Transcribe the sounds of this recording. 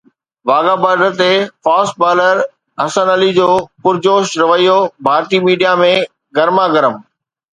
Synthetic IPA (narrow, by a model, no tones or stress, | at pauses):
ʋaːɡabaːɖət̪efaːsʈ̚baːləɾ | ɦɐsənəlid͡ʑoːpʊɾd͡ʑoːʃɾɐʋəijobʱaːɾt̪imiːɖijamẽ | ɡɐɾmaɡɐɾəm